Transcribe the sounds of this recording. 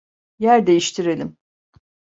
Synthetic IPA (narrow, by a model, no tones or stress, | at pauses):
jæɾd̪e̞jiʃt̪ʰiɾe̞lʲim